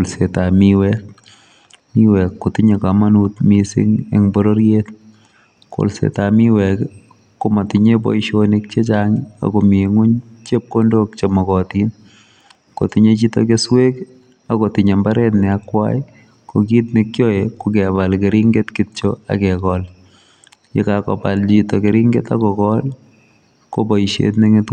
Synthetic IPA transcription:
lsetamiwɛk | miwɛkːotɪɲekamanutmisɪ̰ŋḛŋbɔɾoɾjet̪ | ko̰lsḛtamiwɛkː | ʊmatɪɲebɔ̰jʃonɪk̚t͡ʃet͡ʃaŋa̰komiŋʊɲt͡ʃep̚kondok̚t͡ʃemɔkɔtin | ko̰tɪɲet͡ʃito̰keswek | akotɪɲembaɾɛt̬nɪakːwa̰j | kokitnɪkjoekukɛbalkeɾiŋɡetkɪtt͡ʃoa̰kɛkɔl | jɪ̰kakɔ̰palt͡ʃitokeɾiŋɡeta̰kɔkɔl | kobɔiʃḛtneŋɪt

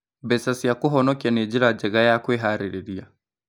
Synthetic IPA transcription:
bɛsasiakuɦɔnɔkjaned͡ʒiɾad͡ʒɛɣajakweɦaɾiɾeɾia

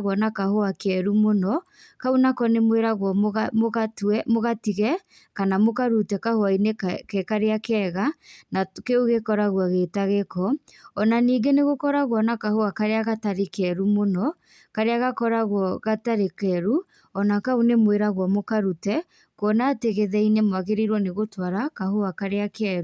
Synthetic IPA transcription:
ɣɔnakahoakɛɾumonɔ | kaunakɔnemweɾaɣwɔmatmoɣatiɣɛ | kanamokaɾutɛkahoainekkɛkaɾeakɛɣanakeoɣekɔɾaɣwaɣeːtaɣekɔɔnaniːɡeneɣokɔɾaɣwɔnakahoakaɾeaɣataɾekɛɾumonɔ | kaɾeaɣakɔɾaɣwɔɣataɾekɛɾu | ɔnakaunemweɾaɣwɔmokaɾutɛ | kwɔnateɣeðɛinemwaɣeɾeɾwɔneɣotwaɾakahoakaɾeakɛɾu

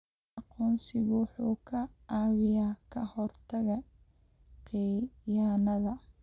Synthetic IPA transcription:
ʔɑqɔːnsɪɣħuːkʰɐaːwɪjaːkʰɐhɔrt̪ʰɐɣɐ | qɪjaːnɐðɐ

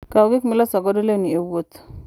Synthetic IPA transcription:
kaʊɡɪkmɪlɔsɔɡɔdoleniewot̪

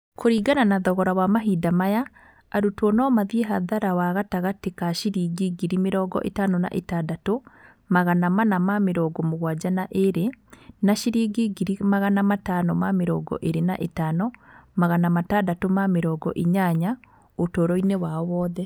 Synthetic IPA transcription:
kʰoɾiːɡananaðɔɣɔɾawamaɦiːdamajaː | ɾutwɔnɔmaðieɦaðaɾawaɣataɣatekaʃiɾiːɡiɡiɾimeɾɔːɡɔ̰ʔḛtanona̰ʔetaːdato | maɣanamanamameɾɔːɡɔmoɣwad͡ʒanaʔeɾenaʃiɾiːɡiɡiɾimaɣanamatanɔmameɾɔːɡɔ̰ʔeɾena̰ʔetaːnɔmaɣanamatadatomameɾɔːɡɔ̰ʔeɲaɲa | otoːɾɔinewaɔwɔːðɛ

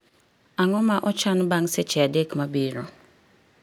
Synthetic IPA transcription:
aŋɔmãʔɔt͡ʃanbaŋsɪt͡ʃɛadekʰmabiɾo

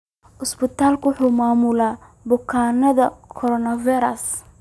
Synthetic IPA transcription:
ʔʊsbɪt̪ʰaːlkʊʊħuːmaːmʊlaː | bʊkʰaːnɐðɐkʰɔɾɔnɐviɾɐs

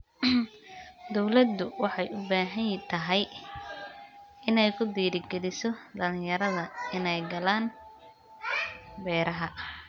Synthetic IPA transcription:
d̪ɔwlɐd̪ʊwɑħɑjʔʊbaːɦɐjt̪ʰɐɦɛj | ɪnɛjkʰʊd̪iːɾɪɡɛlɪsɔd̪ɐlɪ̃jɐɾɐðɐɪnɛjɡɐlaːn | bɛːɾɐɦɐ

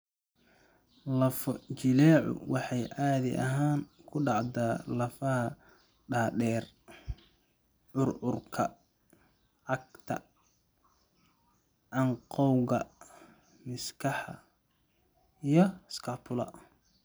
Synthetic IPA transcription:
lɐfɔt͡ʃɪlɛːʕʊ̰wɑħɑjʔaːðɪ̰ʔɐ̰ɦaːŋkʰʊɖɑʕd̪aːlɐfɐɦɐ | ɖaːɗɛːr | ʕʊrʕʊrkʰɐ̰ | ʕɑɡt̪ʰɐ̰ | ʕɑɴqɔwɣɐ | mɪskʰɑħɑ̰ | ijɞskʰɑːpʰʊlɐ̰

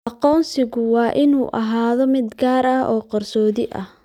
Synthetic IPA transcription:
ʔɑqɔːnsɪɣʊwɑːʔɪnuːʔɐ̰ɦaːðɔmɪd̪ɡaːɾɐhɔːqɐrsɔːðɪʔɐ̰h

